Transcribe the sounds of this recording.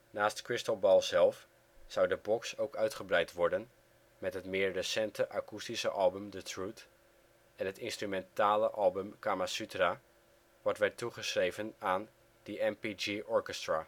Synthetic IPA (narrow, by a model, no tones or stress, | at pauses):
naːstkrɪstəlˠbɔlˠzɛlˠf | sʌwdəbɔksowkœɥtχəbrɛjtʋɔɹdən | mɛtɦətmɪːɹrəsɛntʰəʔakustisəʔɑlˠbəmdətʰrut | ɛnɦətɪnstrymɛntaːləʔɑlˠbəmkamasytra | ʋɔɹtʋɛɹtːuχəsrejvənaːn | dəʔɛmpid͡ʒiʔɔɹkɛstraː